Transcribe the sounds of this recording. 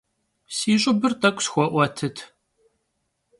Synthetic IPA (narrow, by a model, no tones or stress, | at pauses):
siʒəbːəɾt̪ækʷːsxwæʔwæt̪ʰːət̪